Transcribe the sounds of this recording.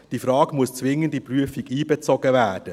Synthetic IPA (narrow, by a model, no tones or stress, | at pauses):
d̥iːfɾɑːɡmust͡sʋɪŋəntipryəfiɡiːbɛt͡sɔɡəvɛːd̥ə